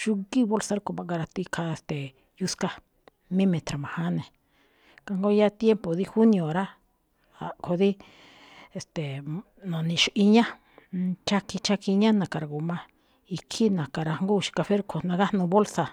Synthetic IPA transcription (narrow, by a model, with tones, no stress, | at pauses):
ʃu˧ki˦βo˦lsa˧ɾa˦ko˨βã˧˨ŋɡa˧ɾa˧t̪i˧kʰa˧e˧˨st̪e˨ | ju˧ska˧ | mĩ˦mẽ˧t̪ɾa˨mã˨hã˦nẽ˨ | ka˧ŋɡo˦ja˦t̪je˦mpo˨ði˦xu˦nj̃õ˨ɾa˦ | a˨kʰo˨ði˦ | e˨st̪e˨ | nõ˨nĩ˧ʃʔi˧ɲã˦ | t͡ʃa˧kʰi˧t͡ʃa˧kʰi˧ɲã˦nã˨ka˨ɾa˧˨ɣu˨mã˧ | i˧kʰi˦nã˨ka˨ɾa˧ŋɡu˦ʃi̥˧ka˧fe˦ɾkʰo˨nã˧ɣa˦nũ˧βo˦lsa˧